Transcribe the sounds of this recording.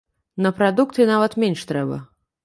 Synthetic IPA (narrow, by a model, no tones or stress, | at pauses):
nɐpɾad̪ukt̪ɨnavɐt̪mʲenʲʂt̪ɾɛbɐ̰